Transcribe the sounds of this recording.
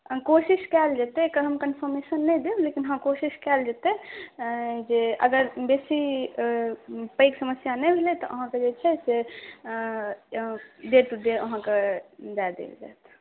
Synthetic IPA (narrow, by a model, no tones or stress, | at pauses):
kosiskɛld͡ʒet̪ɛkəɦəmkənpʰəɾmesənːɛjd̪eblekinɦə̃kosiskɛld͡ʒet̪ɛ | d͡ʒeə̰ɡəɾbesi | pəjksəməsjanɛjbʱelɛt̪ɔ̰ʔə̰ɦãked͡ʒet͡ʃʰɛse | ɖeɾʈud̪eəɦãked͡ʒad̪ḛld͡ʒa̰ːt̪ʰ